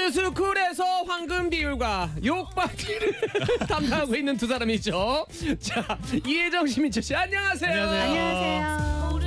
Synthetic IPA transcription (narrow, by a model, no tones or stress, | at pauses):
ɯs̬ʰukɯɾesʰʌɸwaŋɡɯmbiuɭɡwajok̚p͈akʰiɾɯɭtamdaŋɦaɡoinːɯntus̬ʰaɾamid͡ʑo | t͡ɕaied͡ʑʌŋɕʰimit͡ɕʌɕ͈iaɲːʌŋɦasʰe̞jo